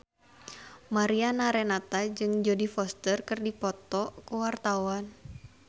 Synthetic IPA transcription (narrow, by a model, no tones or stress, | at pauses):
maɾianaɾɛnat̪ad͡ʒɨŋd͡ʒodifɔst̪ərkɨrdipɔt̪ɔkuwart̪awan